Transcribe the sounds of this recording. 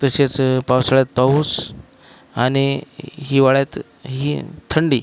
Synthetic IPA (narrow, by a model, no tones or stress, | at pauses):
t̪əset͡spawsaɭjat̪̚pauːs | añiɦiʋaɭjat̪ | ɦit̪ʰəɳɖiː